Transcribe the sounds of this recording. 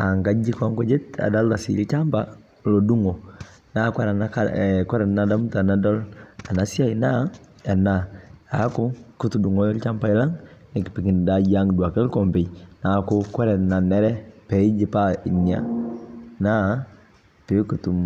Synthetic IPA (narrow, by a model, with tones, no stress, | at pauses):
a˨ŋɡa˦d͡ʒi˦ka˦ŋkɔ˦d͡ʒe˦ta̰˨da˦lda˨si˨lt͡ʃa˦mpa | lɔ˨du˦ŋɔ˨ | na˦kwa˦ɾa˨na˦kakɛ˦ɾɛ˨na˦da˦mta˨na˦dɔ˦la˨na˨si˦a˦ina˦a˨naa˦kʊ˦ku˦tu˨du˨ŋɔ˨˦lt͡ʃa˦mpa˦i˦la˦ŋnɪ˨ki˨pi˨ki˨nda˨˦d͡ʒa˦ŋdwa˨kɛ˦lkɔ˨mpe˨na˨kʊ˦kɛ˦ɾɛ˨na˨nɛ˦ɾɛ˦pɛ˨i˦d͡ʒi˨pa˦i˨ni˨a̰˦ | na˦ | pe˨˦ku˨tu˨m